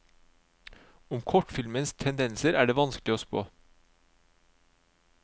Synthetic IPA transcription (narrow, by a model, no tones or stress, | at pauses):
ʊmkʰɔʈfɪlmənst̪ʰɛnd̪ɛnsəɾʔæːɖeːʋɑnsklɪoːspo̰ː